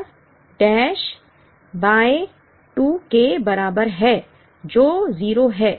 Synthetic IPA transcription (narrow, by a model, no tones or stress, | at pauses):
ɖɛːʃ | baːe | ʈuːkebɐɾaːbəɾɦɛː | d͡ʒoːziːɾoɦɛː